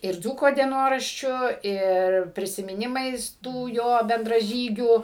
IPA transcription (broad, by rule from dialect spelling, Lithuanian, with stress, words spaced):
ɪr ˈd͡zuːkoː dʲiɛˈnoːrɐʃʲt͡ʃʲʊ ˈɪr pʲrʲɪsʲɪmʲɪˈnʲɪmɐɪs ˈtuː ˈjoː bʲɛndrɐˈʒʲiːɡʲuː